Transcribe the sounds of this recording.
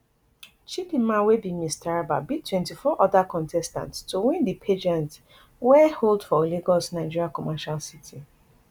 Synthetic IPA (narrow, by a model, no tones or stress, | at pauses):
t͡ʃipimãwebimistaɹaba̰bitʰwɛ̃ntifɔʔɔdakɔ̃ntʰɛstã̰ntstowĩndipʰed͡ʒɛ̃nt | wɛholdfɔleɡɔsnaɪd͡ʒiɹiakɔmaʃalsitʰi